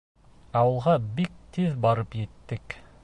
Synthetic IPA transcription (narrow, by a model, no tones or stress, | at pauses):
ɑwɤ̆lˠʁɑbik̚t̪iðbɑɾɤpjɘ̆t̪ːɘk